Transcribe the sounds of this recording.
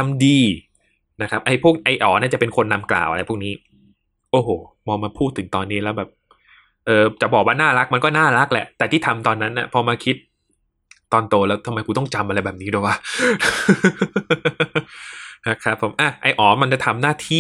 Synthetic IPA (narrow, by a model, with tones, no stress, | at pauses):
t̪ʰa˧mdiː˧ | na˦˥kʰa˦˥p̚ʔa˧jpʰu˥˩ək̚ʔa˧jʔɔː˩˦naː˥˩t͡ɕa˨˩pe˧nkʰo˧nːa˧mkla̰ː˨˩wʔa˧ɾa˧pʰu˥˩k̚niː˦˥ | ʔoː˧˩hoː˨˩ | mɔː˧maː˧pʰuː˥˩t̪ʰːɯ˩˦ŋt̪ɔː˧nːiː˦˥lɛ˦˥wbɛː˨˩p̚ | ʔɤː˧t͡ɕa˨˩ʔbɔː˨˩k̚waː˥˩naː˥˩ɾa˦˥k̚ma˧nkɔː˥˩naː˥˩ɾa˦˥k̚lɛ̰˨˩ʔt̪ɛː˨˩t̪ʰiː˥˩a˧mt̪ɔː˧nːa˦˥nːʔa˧˩pʰɔː˧maː˧kʰi˦˥t̪̚ː | ɔː˧nt̪oː˧lɛː˦˥wt̪ʰa˧ma˧jkʰuː˧t̪ɔ˥˩ŋt͡ɕa˧mʔa˧ɾa˧jbɛː˨˩p̚niː˦˥doː˧˩jwaː˦˥˩ | ha˦˥kʰɾa˦˥pʰːo˨˩˦mʔaː˧˩ʔa˧jʔɔː˩˦ma˧nt͡ɕa˨˩t̪ʰa˧mnaː˥˩t̪ʰiː˥˩